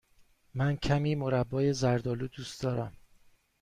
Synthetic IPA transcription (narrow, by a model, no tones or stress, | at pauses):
mæncʰæmiːmoɾæbːɒːje̞zæɾd̪ɒːluːd̪uːsd̪ɒːɾæm